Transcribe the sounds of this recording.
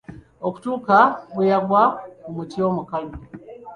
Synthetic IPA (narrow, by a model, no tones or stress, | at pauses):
ɔku̥tukabujaɡwaumutiɔmukalu